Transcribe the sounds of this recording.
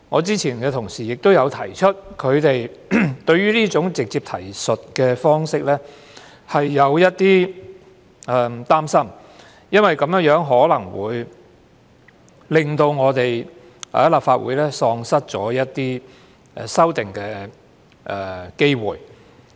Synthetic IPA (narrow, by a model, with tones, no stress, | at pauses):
ŋɔ̰ː˨˧t͡siː˥t͡sʰiː˨˩nkɛː˧t̪ʰʊ˨˩ŋsiː˨˩jɪ˨k̚t̪o˥wjɐ˨˧wt̪ʰɐ˨˩jt͡ʃʰɵ˥t̚kʰɵ˨˧ɥt̪e˨jt̪ɵ˧ɥyː˥liː˥t͡sʊ˨˥ŋt͡sɪ˨k̚t͡siː˧p̚t̪ʰɐ˨˩jsɵ˨t̚kɛː˧fɔː˥ŋsɪ˥k̚lɛː˥ | hɐ˨jːɐ˨˧wjɐ˥t̚t̪iː˥ | ʔɛ˨t̪aː˥msɐ˥m | jɐ˥nwɐ˨jkɐ˨˧mjœː˨˥ŋjœː˨˥ŋɦɔː˨˥lɐ˨˩ŋwṵː˨˧j | lɪ˨˩ŋt̪o˧wŋɔː˨˧t̪e˨j | ʔɛ̰˨˥laː˨˩pfaː˧t̚wṵ˨˧˥jlɛː˥sɔː˧ŋsɐ˥t̚t͡sɔː˨˥jɐ˥t̚t̪iː˥ | ʔɛ̰˨sɐ˥wt̪ɪ˨ŋkɛː˧ | ʔɛ˨˩ke˥jwṵː˨˩j